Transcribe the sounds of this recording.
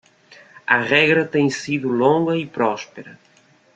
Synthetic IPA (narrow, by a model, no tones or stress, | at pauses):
ɐʁɛɣɾɐt̪ẽɲ̃siðʊlõŋɡɐipɾɔspeɾɐ